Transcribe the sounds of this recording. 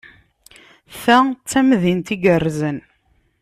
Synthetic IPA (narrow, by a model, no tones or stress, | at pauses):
θæt͡sːæmðint̪iɡərːzən